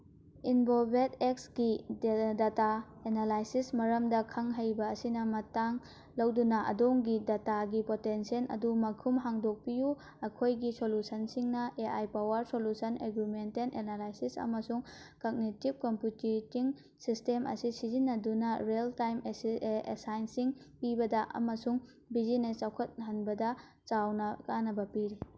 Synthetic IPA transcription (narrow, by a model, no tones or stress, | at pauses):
inbobʱeteksɡidata | enalajsismɐɾɐmdɐkʰɐŋɦɐjbɐːsinɐmɐtaŋ | lɐwdunɐʔɐ̰doŋɡidataɡipotensienɐ̰dumɐkʰumɦaŋdok̚piju | ɐkʰojɡisolusʰɐnsiŋnɐʔeʔajpawɐɾsolusʰɐneɡɾimentenʔenalajsisɐ̰mɐsuŋ | kok̚nitib̚kompjutitiŋ | sistemʔɐ̰sisizinːɐdunɐɾeltajmḛsajnsiŋpibɐdɐʔɐ̰mɐsuŋ | bizinet͡ʃawkʰɐt̚ɦɐnbɐdɐ | t͡ʃawnɐkanɐbɐpiɾi